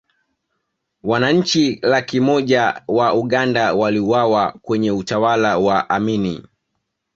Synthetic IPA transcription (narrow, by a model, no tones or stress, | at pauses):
wanaɲ̩t͡ʃilakimɔʄawauɠandawaliuwawakwɛɲɛutawalawaʔaminḭ